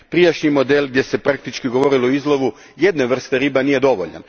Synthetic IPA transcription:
pɾijaʃɲimo̞d̪elɡ̚d̪ʲje̞se̞pɾakt̪it͡ʃkiɡo̞ʋo̞ɾiloizlˠo̞ʋu | je̞d̪neʋr̩st̪e̞ɾiːbanije̞d̪o̞ʋo̞̰ʎa̰n

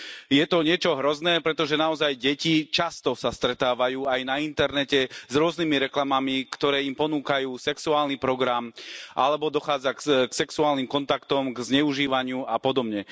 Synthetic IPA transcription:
jɛt̪ɔɲɪɛt͡ʃɔɦɾɔznɛːpɾɛt̪ɔʒɛnaɔzajɟɛcit͡ʃast̪ɔsast̪ɾɛt̪aːʋajuːajnaint̪ɛɾnɛcɛzɾʊɔznimiɾɛklamamikt̪ɔɾɛːimpɔnuːkajuːsɛksuaːlnipɾɔɡɾamʔa̰lɛbɔd̪ɔxaːd͡zakksɛksuaːlnimkɔnt̪akt̪ɔmɡzɲɛuʒiːʋaɲɪuapɔd̪ɔbɲɛ

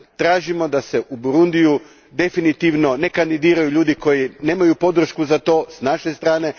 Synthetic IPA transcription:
t̪ɾaːʒimo̞d̪aseʔubuɾund̪iju | d̪e̞finit̪iʋno̞ne̞kand̪id̪iːɾajuʎuːd̪iko̞jine̞ːmajupo̞d̪ɾ̩ʃkuzat̪o̞ːsnaʃest̪ɾaːne̞

